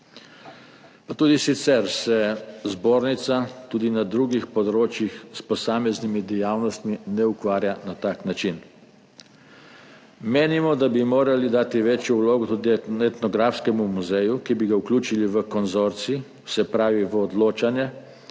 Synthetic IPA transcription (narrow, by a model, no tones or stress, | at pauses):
pat̪uːd̪isit̪sɛɾsɛzboːɾnit̪sat̪uːd̪inad̪ɾuːɡixpɔd̪ɾoːt͡ʃjixspɔsaːmɛznimid̪ɛjaːwnɔst̪minɛukʋaːɾjanat̪aːknat͡ʃin | meːnimɔd̪abimoːɾalid̪aːt̪iʋeːt͡ʃjɔwloːɡɔt̪ud̪iɛt̪nɔɡɾafskɛmumuzɛjukibiɡauklʲuːt͡ʃiliʋəkɔnzoɾt̪sii | wsɛpɾaːʋiʋəɔd̪loːt͡ʃanjɛ